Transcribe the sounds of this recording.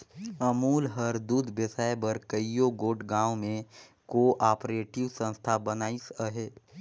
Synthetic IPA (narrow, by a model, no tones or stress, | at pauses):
əmuːlɦəɾd̪uːd̪ʱbjəsaːebəɾkəijoɡoːʈɡãːwmẽ | koʔaːpɾeːʈɪʋsə̃nst̪ʰabənaːisəɦeː